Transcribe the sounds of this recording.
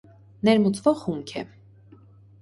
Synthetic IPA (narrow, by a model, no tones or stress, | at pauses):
nɛɾmut͡svɔʁχuŋkʰɛ̰